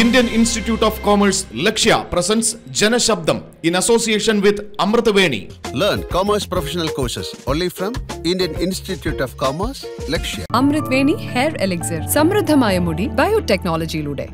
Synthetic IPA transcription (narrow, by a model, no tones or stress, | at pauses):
ind̪ijɐninsʈiʈjuːʈɔːfkɔːmɐɾslɐkʂja̰ːpɾɐsɐnʈsd͡ʒɐnɐʃɐb̚d̪ɐm | inɐsoːsieːʃɐnʋid̪ɐmɾɨt̪ɐʋeːɳḭ | ləɾnkɔːməɾspɾofeʃɐnɐlkoːɾsesõːnlifɾɐ̃mĩnɖijɐnĩnsʈiʈjuːʈɔʋkɔːməɾslekʂja̰ɐmɾɪt̪ʋeːniheːɾeleɡzɐɾsɐmɾud̪ʱːɐmaːjɐmuɽibɐjoːʈeknaːlɐd͡ʒijluɽḛ